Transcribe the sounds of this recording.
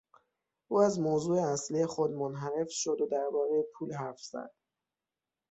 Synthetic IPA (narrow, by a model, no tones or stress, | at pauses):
ʔuːæzmozuːeæsliexod̪monɦæɾe̞fʃod̪od̪æɾbɒːɾejepʰuːlɦæfz̥æ̰d̪̥